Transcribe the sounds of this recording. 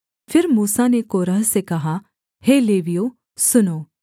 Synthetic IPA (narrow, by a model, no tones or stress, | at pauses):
fʰɪɾmuːsanekoːɾəɦsekɐɦa | heleːʋijo | sʊnoː